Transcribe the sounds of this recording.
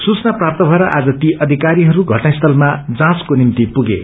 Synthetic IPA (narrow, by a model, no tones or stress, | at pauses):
sut͡snaprap̚t̪ʌbʱʌeɾʌʔad͡zʌt̪iʔʌd̪ʱikaɾiɦʌɾuɡʱʌʈnaist̪ʰʌlmad͡zãt͡skonint̪ipuɡḛ